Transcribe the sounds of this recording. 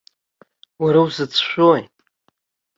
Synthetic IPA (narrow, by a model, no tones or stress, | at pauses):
waɾawzɨt͡sʰʃʷᶣojʼ